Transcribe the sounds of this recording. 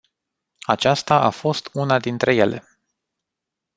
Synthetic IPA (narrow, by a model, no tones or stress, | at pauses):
at͡ʃast̪aʔafo̞st̪unad̪int̪ɾe̞je̞le̞̰